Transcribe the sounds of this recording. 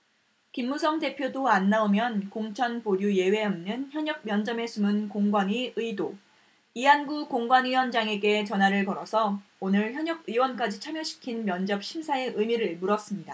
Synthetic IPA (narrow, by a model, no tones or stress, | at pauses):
kimːusʰʌŋde̞pʰjodoanːaomjʌnkoŋt͡ɕʰʌnpoɾjuje̞we̞ʌmnɯnçjʌɲʌk̚mjʌnd͡ʑʌme̞sʰumɯnkoŋɡwaɲiɯido | iɦanɡukoŋɡwanɯiwʌnd͡ʑaŋe̞ɡe̞t͡ɕʌnɦwaɾɯɭkʌɾʌsʰʌonɯɭçjʌɲʌɡɯiwʌnk͈ad͡ʑit͡ɕʰamjʌɕʰi̥kʰinmjʌnd͡ʑʌp̚ɕʰimsʰae̞ʔɯmiɾɯɭmuɾʌs͈ɯmɲida